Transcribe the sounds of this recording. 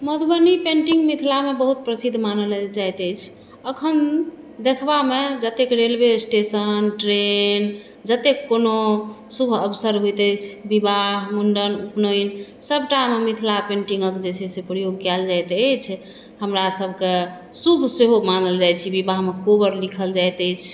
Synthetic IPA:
məd̪bənipeɳʈiŋɡmit̪ʰilamebəɦut̪̚pɾəsid̪ʱːmanəld͡ʒajt̪əjt͡ʃʰ | əkʰən | d̪ekʰbamed͡ʒət̪ekɾelbesʈesənʈɾen | d͡ʒət̪ekːonosubʱəbsəɾɦojt̪əjt͡ʃʰbibaɦmuɳɖənupnoin | səbʈamemit̪ʰilapeɳʈiŋɡəkd͡ʒesesepɾəjoɡ̚kɛld͡ʒajt̪ət͡ʃʰ | həmɾasəbʱke | subʱseɦomanəld͡ʒajt͡ʃʰibibaɦmekobəɾlikʰəld͡ʒajt̪əjt͡ʃʰ

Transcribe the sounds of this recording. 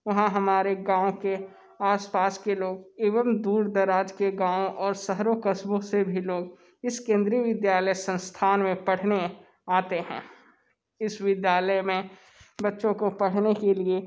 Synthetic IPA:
ʋɐɦãɦɐmaːɾeɡãːõke | aːspaːskeloːɡeːʋəmd̪uːɾd̪ɐɾaːd͡ʒkeɡãːõʔɔːɾsəɦɾokəsbõsebʱiloːɡ | ɪskẽːnd̪ɾiəʋɪd̪jaːləjsə̃nst̪ʰaːnmẽpɐɽ̤ne | aːt̪eɦɛ̃ː | ɪsʋɪd̪jaːləjmẽ | bɐtːʃõkopɐɽ̤nekelie

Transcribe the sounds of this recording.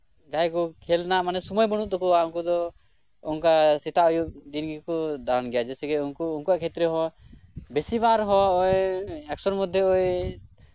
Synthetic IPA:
d͡ʒajkɔkʰɛlnaʔmanɛsɔmɔjbɔɽ̃uʔt̪ɔkɔaɔŋkud̪ɔ | ɔŋkasɛt̪aɔjub̚d̪inɡikɔd̪anɡɛjad͡ʒɛsɛɡɛunkuuŋkuaʔkʰɛt̪ɾɛɦɔ̃ | besibaɾɦɔ̃ɔjɛksɔɾmɔd̪ʱːjɔɔj

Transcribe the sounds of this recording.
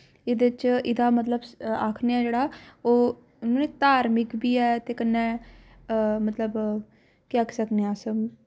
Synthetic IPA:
ɪd̪et͡ʃɪd̪aːmət̪ləbaːkʰneːɛ̃ːd͡ʒeːɽaːoː | ʊnõːneːt̪aːɾmɪkbiːɛːt̪eːkənːɛː | mət̪ləb | kɪəkʰsəkneãːsəm

